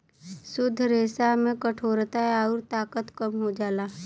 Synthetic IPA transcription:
sʊd̪ʱːɾeːsamẽkəʈʰoːɾt̪aɛaːʊɾt̪aːkət̪kəmɦod͡ʒaːlaː

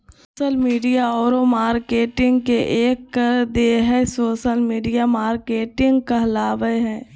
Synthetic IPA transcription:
oːʃəlmiːɖijaɔːɾomaːɾkeːʈɪ̃ŋɡkeʔeːkːəɾd̪eːɦɛ̃soːʃəlmiːɖijamaːɾkeːʈɪ̃ŋɡkəɦlaːʋəɦɛ̃ː

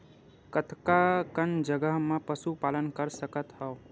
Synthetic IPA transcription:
kət̪ʰkakənd͡ʒəɡəɦmepəsupaːlənkəɾsəkət̪ɦəʊ

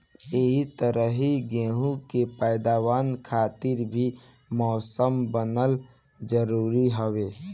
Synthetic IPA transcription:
eɦit̪əɾəɦiɡẽːɦũkepɛːd̪aːwaːnkʰaːt̪ɪɾbʱi | mɔːsəmbənəl | d͡ʒəɾuːɾiɦoweː

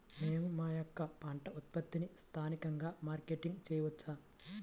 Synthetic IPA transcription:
neːmumaːjokːɐpaːɳʈɐut̪̚pɐt̪ːinist̪ʰaːnikɐŋɡaːmaːɾkeːʈiŋɡt͡ʃɛːjɐʋɐt͡ʃːaː

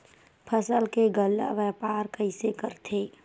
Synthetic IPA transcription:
pʰəsəlkeɡəlːa̰ʋɛːpaːɾkəɪsekəɾt̪ʰeː

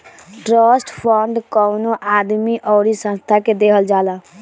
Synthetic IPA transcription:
ʈɾəsʈpʰəɳɖkəwnoʔad̪miʔɔɾisə̃nst̪ʰaked̪ekʰəld͡ʒala

